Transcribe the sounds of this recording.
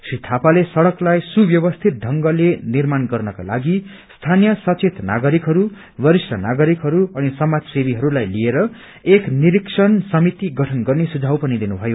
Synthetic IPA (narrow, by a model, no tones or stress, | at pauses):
srit̪ʰapalesʌɽʌklajsubjʌbʌst̪ʰit̪̚ɖ̪ʱʌŋɡʌlenirmanɡʌrnʌka̰la̰ɡi | st̪ʰanijʌsʌt͡set̪na̰ɡʌɾikɦʌɾu | bʌɾisrʌnaɡʌɾikɦʌɾuʌnisʌmad͡zsebiɦʌɾulajlieɾʌ | ekniɾiksʰʌnsʌmit̪iɡʌʈʰʌnɡʌrnesud͡zʱawpʌnid̪inubʱʌjo